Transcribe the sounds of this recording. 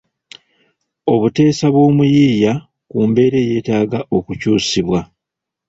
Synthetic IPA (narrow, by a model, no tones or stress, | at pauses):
o̞βute̞ːsaβwo̞ːmujiːja | kuːmbe̞ːɾe̞je̞ːtaːɡaʔo̞kucuːsiβwa